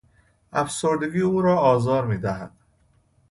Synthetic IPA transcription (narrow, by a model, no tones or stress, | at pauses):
æfsoɾd̪eɡiːuːɾɒːɒːzɒːɾmiːd̪æɦæ̰d̪̥